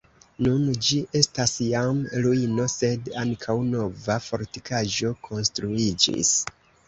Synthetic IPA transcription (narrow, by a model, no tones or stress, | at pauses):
nund͡ʒiʔe̞stasjamɾuino̞se̞daŋkʰawno̞vafo̞ɾtikaʒo̞kʰo̞nstɾuid͡ʒḭs